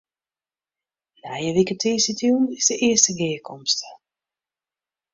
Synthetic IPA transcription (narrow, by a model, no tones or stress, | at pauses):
lajəʋikətʰiːsitjunɪsdəʔɪəstəɡɪːəkʰɔmstə